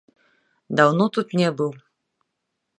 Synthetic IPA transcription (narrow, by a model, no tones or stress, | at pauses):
d̪awnɔt̪ut̪nʲɛbɨw